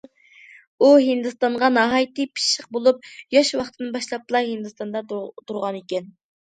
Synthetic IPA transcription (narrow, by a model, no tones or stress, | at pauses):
uɦɨnd̪ɨst̪ɑɴʁɑnɑɦɑjt̪ɨpʰi̥ʃʃəq̚bolˠup̚jɑʃwɑχt̪ʰɨd̪nbɑʃlˠɑp̚t̪lˠɑhɨnd̪ɨst̪ɑnd̪ɑt̪uɾʁɑnekʲɛn